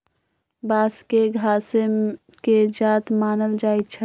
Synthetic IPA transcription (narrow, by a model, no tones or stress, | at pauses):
baːskeɡʱaːsem | ked͡ʒaːt̪maːnəld͡ʒaːet͡ʃʰɛ